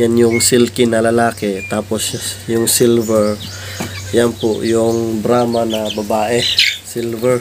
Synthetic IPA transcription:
janjʊŋsɪlkɪnɐlɐlaːkɛt̪aːposjʊŋsilvɛɹ | janpʊʔjʊŋbɾaːmanɐbɐbaːʔɛsilvɛɹ

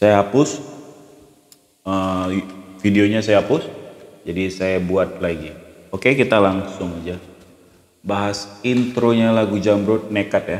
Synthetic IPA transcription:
sajaɦapʊs | ə | fideoɲasajaɦapʊsd͡ʒadisajabuat̪̚laɡi | okekit̪alaŋsʊŋad͡ʒa | baɦasint̪ɾoɲalaɡud͡ʒamɾot̪̚nekat̪ja

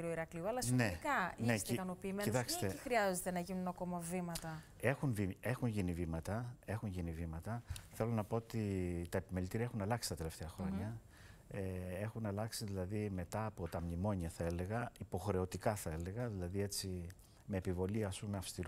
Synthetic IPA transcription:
ɾoiɾɐkliuɐlɐsnekɐineskɐnopiːmenit̪ɐkse̥t̪eixɾiɐzet̪e̞nɐʝinunɐko̞mɐvimɐt̪ɐ | e̞xunvie̞xuɲʝinivimɐt̪ɐe̞xuɲʝinivimɐt̪ɐθe̞lo̞nɐpo̞ot̪it̪ɐepimelit̪iɾiɐe̞xunɐlɐksi̥t̪ɐt̪e̞le̞ft̪e̞ɐxɾo̞ɲɐ | ee̞xunɐlɐksiðilɐðime̞t̪ɐːpo̞t̪ɐmnimo̞ɲiɐθɐe̞le̞ɣɐipo̞xɾe̞o̞t̪ikɐθɐe̞le̞ɣɐðilɐðie̞t͡si | me̞ːpivo̞liɐsuneɐfst̪iɾ

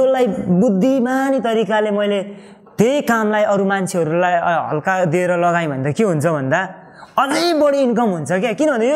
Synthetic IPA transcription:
olajbud̪ʱːimanit̪ʌɾikalemʌjle | t̪ejkamlajʌɾumant͡sʰeɦʌɾulajɦʌ̰lkad̪ieɾʌlʌɡaj̃bʱʌnd̪akeɦunt͡sʰʌbʱʌnd̪a | ʌlajbʌɽiːnkʌmɦunt͡sʰʌkakinʌbʱʌnd̪ajo

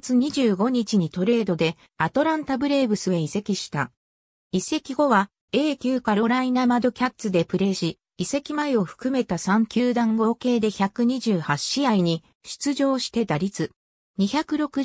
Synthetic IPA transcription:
t͡sɨɲ̟iʑɨːɡo̞ɲ̟it͡ɕiɲ̟it̪o̞ɾe̞ːd̪o̞d̪e̞ | at̪o̞ɾãnt̪abɯ̟ɾe̞ːbɯ̟sɨeise̞kʲiɕi̥t̪a | ise̞kʲiɡo̞βa | e̞ːkʲɨːkaɾo̞ɾainamad̪o̞kʲat̪ːɨd̪e̞pɯ̟ɾe̞ːɕi | ise̞kʲimaeo̞ɸɯ̟̥kɯ̟me̞t̪asãŋkʲɨːd̪ãŋɡo̞ːke̞ːd̪e̞çakɯ̟ɲ̟iʑɨːhaɕiaiɲ̟i | ɕɨ̥t͡sɨʑo̞ːɕi̥t̪e̞d̪aɾʲit͡sɨ | ɲ̟içakɯ̟ɾo̞kɯ̟

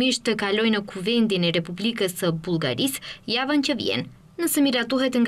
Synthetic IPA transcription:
iʃt̪əkalɔjnəkʰuvɛnd̪inɛɾɛpublikəsəbulˠɡa̰ɾisjavəncəvjɛ̰n | nəsɛmiɾat̪uɦɛt̪ŋɡ

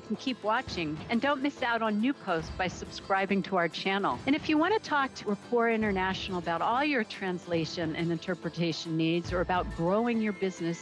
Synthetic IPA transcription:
kn̩kʰipwɑt͡ʃɪ̃ŋɨ̃ndõʊ̃nmɪsaʊɾn̩nʉpʰoʊst̚b̥aɪsɨb̥skɹaɪbɪ̃ŋtʰəaʊə˞t͡ʃʰænl̩ˠɨ̃ɾñɨfjɨwɑ̃ɾ̃ɨtʰɔk̚tʰəəpʰuɹɪ̃ɾ̃ə˞næʃnl̩ˠəbaʊɾɔlˠjə˞tʰɹ̥æ̃nsleɪʃɨ̃nʔɨ̰̃nɨ̃ntʰɜ˞pɹɨtʰeɪʃɨ̃n̩ːidzə˞ɨbaʊt̚ɡ̥ɹoʊɪ̃ŋjə˞bɪznɨs

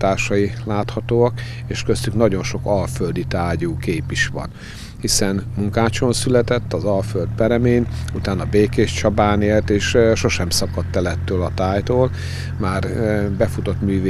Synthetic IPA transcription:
t̪aːrʃɒjilaːt̪hɒt̪oːɒk | eːʃkøst̪yknɒɟo̞nʃo̞kɒlføld̪it̪aːɟuːkeːpiʃʋɒ̰n | hisɛnmuŋkaːt͡ʃo̞nsylɛt̪ɛt̪ːɒzɒlføld̪pɛɾɛmeːnut̪aːnɒbeːkeːʃt͡ʃɒbaːneːlt̪eːʃʃo̞ʃɛmsɒkɒt̪ːɛlɛt̪ːøːlɒt̪aːjt̪oːl | maːrbɛfut̪o̞t̪myːve

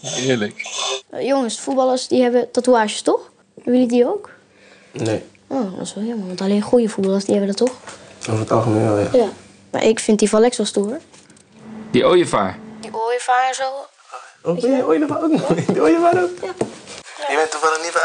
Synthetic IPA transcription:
ɪːɹləkjoŋəsfutbɑlˠəɹsdiɦɛbətatuaːʃəstɔx | ʋjɪlidiowk | ne | ʔoːdɔ̰sɔɔməʋɔntaleːnχujəfut̚bɑlˠəsdihɛbədɔtɔxoəətɑ̰lˠχəmenʋɛlˠja̰ja | ma̰ʔɪ̰kfɪntdifɔlɛksʋɔlˠstuər | d̥iʔoːjəfa̰ːɹdiʔoːjəfaːzol | obɛəoːjədəfaoknɔdioːjəfaɾok | jəbɛntəfɔnənit

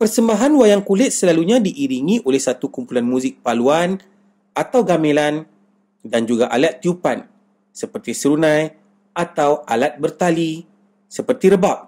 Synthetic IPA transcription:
pərsəmbaɦanwajaŋkulɪt̪̚səlaluɲãdiʔiɾiŋĩʔolɛhsat̪ukumpulanmũzɪk̚paluan | at̪awɡamẽlan | dand͡ʒuɡaʔalat̪ːjupan | səpərt̪isəɾunãj | ʔat̪awalat̪̚bərt̪ali | səpərt̪iɾəbap̚

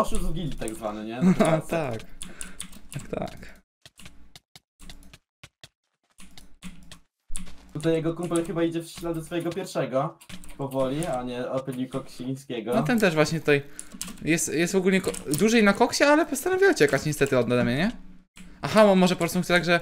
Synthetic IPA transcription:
ɔʃuzvɡʲilʲit̪aɡzvanɛɲɛat̪ak | akt̪a̰k | t̪ut̪ajɛɡɔkumpɛlxɘbaid͡ʑɛfslad̪d̪ɔsfɔjɛɡɔpʲjɛɾfʂɛɡɔpɔvɔlʲiaɲɛɔpɘlʲikɔkɕij̃skʲɛɡɔɔt̪ɛnt̪ɛʐvwaɕɲɛt̪ut̪ajjɛst̪jɛst̪ɔɡulʲɲɛkd̪uʐɛjnakɔkɕɛalɛpɔst̪anɔvʲiɔt͡ɕɛkat͡ɕɲɛst̪ɛt̪ɘɔd̪nad̪ɛmɲɛɲɛ | ʔaxamɔmɔʐɛpɔpɾɔst̪umut͡ɕt̪aɡʐɛ

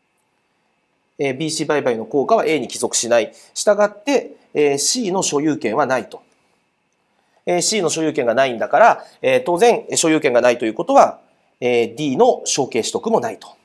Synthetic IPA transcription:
eːbʲiːɕiːbaibaino̞ko̞ːkaβ̞aʔe̞ːɲ̟ikʲizo̞kɯ̟̥ɕinai | ɕi̥t̪aɡat̪ːe̞ | eːɕiːno̞ɕo̞jɯ̟ːkẽ̞ɰ̃βanait̪o̞̥ | eɕiːno̞ɕo̞jɯ̟ːkẽ̞ŋɡanaĩnd̪akaɾaeːt̪o̞ːzẽ̞ŋɕo̞jɯ̟ːkeŋɡanait̪o̞jɯ̟ːko̞t̪o̞βa | eːd̪ʲiːno̞ɕo̞ːke̞ːɕi̥t̪o̞kɯ̟mo̞nait̪o̥

